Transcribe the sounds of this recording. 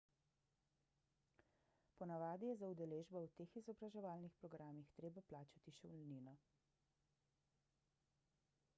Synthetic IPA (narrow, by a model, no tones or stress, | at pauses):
pɔnaʋaːd̪ijɛzaud̪ɛleːʒbɔwt̪eːxizɔbɾaʒɛʋaːlnixpɾɔɡɾaːmixt̪ɾeːbaplaːt͡ʃat̪iʃɛwlniːnɔ